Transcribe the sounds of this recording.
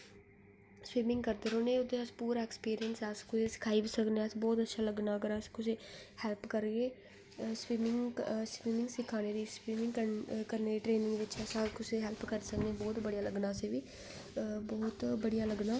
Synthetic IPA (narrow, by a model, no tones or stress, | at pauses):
swiːmɪ̃ŋɡkəɾd̪eɾoːneːʊd̪eːəspuːɾaːɛkspiːɾijənsskʊseːsɪ̥kʰaːiːʋɪsəkneːəsbɔːt̪ətːʃʰaːləɡnaːəɡəɾəskʊseːhɛlpkəɾɡeː | swiːmɪŋswiːmɪŋɡsɪkʰːaːneːɾiːswiːmɪ̃ŋɡkəkəɾneːdiːʈɾeːnɪ̃ŋɡʋɪt͡ʃəsãːkʊseːɦɛlpkəɾsəkneːbɔːt̪bəɽijaːləɡnaːseːʋiː | bɔːt̪bəɽijaːləɡnaː